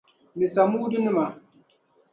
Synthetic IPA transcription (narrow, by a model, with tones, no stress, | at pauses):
mi˨sa˨mu˦di˦ni˦ma˨